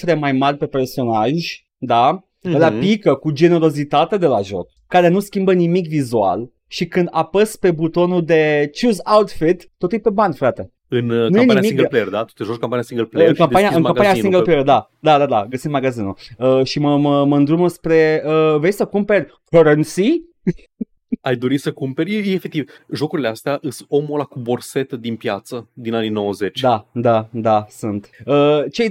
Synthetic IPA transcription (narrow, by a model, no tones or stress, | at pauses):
t̪ɾemajmarʲpe̞pe̞rso̞naʒʲ | d̪a | lapikəkud͡ʒe̞ne̞ɾo̞zit̪at̪e̞d̪e̞laʒo̞̰kːaɾe̞nuskʲimbənimikvizua̰l | ʃikɨnd̪apəspe̞but̪o̞nud̪e̞t͡ʃuzawt̪fit̪ːo̞t̪ujpe̞banʲfɾat̪e | ɨnnujeniimikɡperd̪at̪u̥t̪eʒoʃkoampaniasĩŋɡəlpeɨŋkamanijaʔɨnkampanijasiŋɡəlpleerd̪ad̪ad̪ad̪aɡəsind̪maɡazinṵəʃiməməməɨnd̪ɾuməspɾe̞əvejsəkumpe̞rʲkəɾənt̪si | ajd̪o̞ɾisəkumpe̞ɾʲjejeefek̚t̪ivʒo̞kuɾile̞ast̪eaʔɨsomolakubo̞rse̞t̪əd̪inpjat̪səd̪inanino̞wəze̞t͡ʃd̪ad̪ad̪asunt̪ət͡ʃej